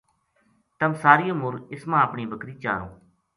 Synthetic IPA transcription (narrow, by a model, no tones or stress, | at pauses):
t̪əmsaːɾijõːmʊɾɪsmãːəpɳiːbəkɾiːt͡ʃa̰ːɾo̰ː